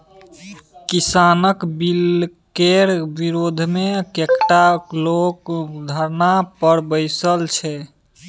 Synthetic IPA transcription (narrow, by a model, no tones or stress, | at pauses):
kisanəkbilkeɾbiɾod̪ʱmekekʈaklokd̪ʱəɾnapəɾbəɪsəlt͡ʃʰɛ